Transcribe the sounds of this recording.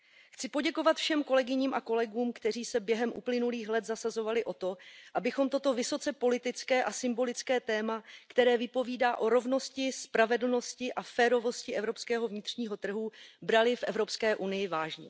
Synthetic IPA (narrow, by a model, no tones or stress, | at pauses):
xt͡sɪpo̞ɟɛko̞vat̪fʃɛmko̞lɛɡɪɲiːmʔako̞lɛɡuːmkt̪ɛr̝iːsɛbjɛɦɛmʔṵplɪnuliːxlɛt̪zasazo̞valɪʔo̞t̪o̞ʔabɪxo̞mt̪o̞t̪o̞vɪso̞t͡sɛpo̞lɪt̪ɪt͡skɛːʔasɪmbo̞lɪt͡skɛːt̪ɛːmakt̪ɛɾɛːvɪpo̞viːdaːʔo̞ɾo̞vno̞scɪspɾavɛdl̩no̞scɪʔafɛːɾo̞vo̞scɪʔɛvɾo̞pskɛːɦo̞vɲɪt̪r̝̥ɲiːɦo̞t̪r̩ɦubɾalɪfʔɛvɾo̞pskɛːʔunɪjɪvaːʒɲɛ̰